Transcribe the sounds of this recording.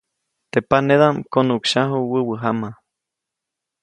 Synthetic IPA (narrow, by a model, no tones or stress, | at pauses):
t̪epaneðamkonukʃaɦuwəwəɦama